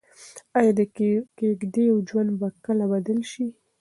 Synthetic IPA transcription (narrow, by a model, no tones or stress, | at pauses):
ajɑd̪əkeɡd̪ejawd͡ʒwand̪bakəlabad̪əlʃi